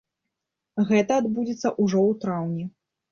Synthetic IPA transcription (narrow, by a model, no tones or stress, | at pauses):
ɣɛt̪ɐːd̪bud͡zʲit̪sːɐʔuʐɔwt̪ɾawnʲɛ